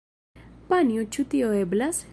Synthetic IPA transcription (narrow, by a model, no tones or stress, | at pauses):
paniot͡ʃut̪ioeblas